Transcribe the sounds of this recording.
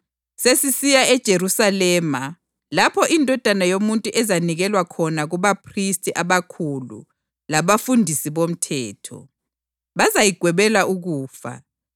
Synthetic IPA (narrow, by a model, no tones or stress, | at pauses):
sesisijaɛd̥ʒ̥ʱeɾusalɛːma | lapʰɔʔindʱɔd̥ʱanajomuntʼuʔɛzaniɣɛlwakʰɔnaɣuβapʰristʼiʔaβakʰulṵ | laβafundʱisiβom̩tʰɛːtʰɔ̰ | βazajiɡ̥ʱwɛβɛlaʔuɣuːfa̰